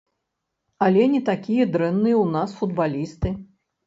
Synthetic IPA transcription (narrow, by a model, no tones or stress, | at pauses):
ɐlʲɛnʲɛt̪akʲijɐd̪ɾɛnːɨjɛwunasfud̪balʲist̪ɨ